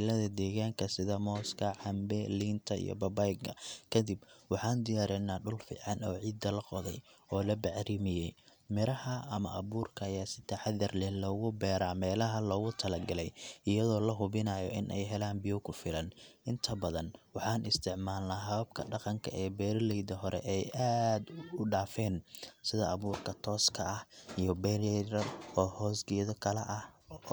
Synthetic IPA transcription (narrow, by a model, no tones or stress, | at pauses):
lɐðɐd̪ɛːɣaːŋkʰɐsɪðɐmɔːskʰɐʕɑmbɛliːnt̪ʰɐḭjɔ̰bɐbajɡɐ̰kʰɐd̪ibwɑħɑːnd̪ɪjaːɾɛnaːɖʊlfḭːʕɑnɔːʕiːd̪ːɐlɐqɔðɛjɔːlɐbɐʕɾimɪjɛj | mɪɾɐhɐʔɐmɐʔɐβuːrkʰɐːjaːsɪt̪ʰɐħaɐrlɛlɔːɣʊbɛːɾaːmɛːlɐɦɐlɔːɣʊt̪ʰɐlɐɡɐlɛjɪjɐðɔːlɐɦʊβɪnaːjɔʔɪnʔɛjɦɛlaːnbɪjɔwkʰʊfɪlɐnʔɪnt̪ʰɐbɐðɐnwɑħɑːnɪst̪ʰɪʕmaːlnaːɦɐβɐb̚kʰɐɖɑqɑŋkʰɐʔɛːbɛːɾlɛjd̪ɐɦɔɾɛ̰ʔɛjʔaːd̪ʊɖaːfɛːnsɪðɐɐβuːrkʰɐt̪ʰɔːskʰɐɐhijɔbɛlɛɾɐrɔːhɔːsɡɪjɐðɔkʰɐlɛʔɐh